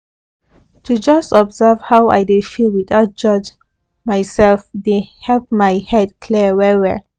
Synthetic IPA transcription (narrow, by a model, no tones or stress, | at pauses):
tʰud͡ʒʌstɔbzɛv̥hawa̰jdefilwiθaʊt̚d͡ʒɔd͡ʒ | majsɛlfdehɛlpmajhɛd̚kʰliwɛwɛ